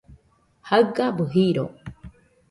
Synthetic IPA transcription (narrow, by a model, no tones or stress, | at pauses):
haɯkabɯɦiɾo